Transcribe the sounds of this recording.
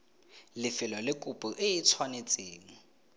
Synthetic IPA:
lɪfɪlɔlɪkʼupʼuʔɪit͡sʰwanet͡sʼeːŋ̩

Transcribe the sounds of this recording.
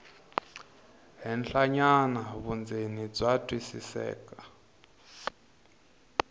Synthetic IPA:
ɦɛnɬaɲanaβund͡zenib͡ʐatʼwisḭsɛ̰ːkʼa

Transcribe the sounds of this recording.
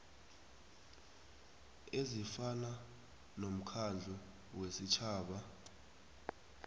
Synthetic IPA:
ezifana | nom̩kʰand͡ɮʱu | wesit͡ʃʰaːɓa

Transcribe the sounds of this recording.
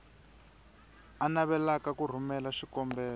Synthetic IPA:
anaβɛlakakur̤umɛlaʂikɔmbɛːla

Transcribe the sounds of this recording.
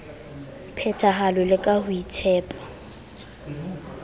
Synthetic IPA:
pʰɛtʰaɦalʊlɪkʼahʊitʰɛːpʼḁ

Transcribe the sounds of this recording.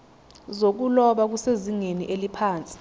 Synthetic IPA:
zok̬ulɔɓak̬useziŋeniʔelipʰaːnt͡sʼi̥

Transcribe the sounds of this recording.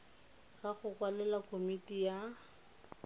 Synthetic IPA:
ɣaχʊkwalɛlakʰomitʼija

